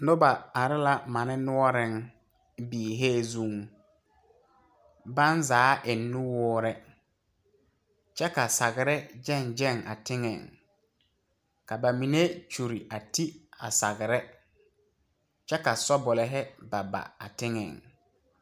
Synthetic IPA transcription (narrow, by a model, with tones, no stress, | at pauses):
nʊ˦ba˨a˨ɾɪ˦la˦ma˨nɪ˦nʊ˦ɔ˦ɾɪ˦˨ŋ | biː˨ɦe˦˨zu˦˨ŋ | ba˦nzaː˨˦ʔɪ˨nːʊ˦wʊː˦ɾɛ˦ | t͡ʃɛ˦ka˨sa˨ɣɪ˨ɾɛ˦d͡ʒɛ˦˨nd͡ʒɛ˦˨ŋʔa̰˨tɪ˦ŋɛ̰˨ŋ | ka˨ba˨mi˨ne˦t͡ʃu˨ɾi˨ʔa˨ti˦a̰˨sa˨ɡɪ˨ɾɛ˦ | t͡ʃɛ˦ka˨sɔ˦bʊ˨lɛ˨ɦɛ˦ba˨ba̰˨a̰˨tɪ˦ŋɛ̰˨ŋ